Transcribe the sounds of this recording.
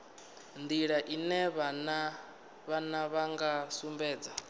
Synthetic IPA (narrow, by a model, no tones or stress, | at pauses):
nd̪iɺaʔinɛβana | βanaβaŋɡasumbɛːd͡za